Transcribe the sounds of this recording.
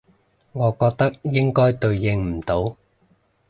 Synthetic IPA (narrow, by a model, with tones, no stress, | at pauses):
ŋɔː˨˧kɔː˧k̚t̪ɐ˥k̚jɪ˥ŋkɔː˥jt̪ɵ˧ɥjɪ˧ŋm̩˨˩t̪o˨˥w